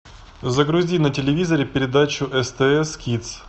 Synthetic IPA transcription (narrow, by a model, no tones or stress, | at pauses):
zəɡɾʊzʲinətʲɪlʲɪvʲizəɾʲɪpʲɪɾʲɪd̪at͡ɕʊʔɛst̪ɛɛskʲit̪s